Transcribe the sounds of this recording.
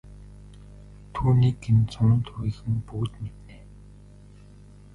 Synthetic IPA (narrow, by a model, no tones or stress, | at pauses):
t̪ʰuːniːkɡent͡sʊnə̆nt̪ʰɵwiːxɘ̆mput̪met̪neː